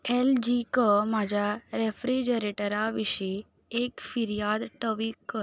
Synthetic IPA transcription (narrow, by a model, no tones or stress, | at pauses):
eld͡ʒikəmad͡ʒaɾefɾid͡ʒəɾeʈəɾaʋiʃi | ekfiɾijad̪ʈəʋikːə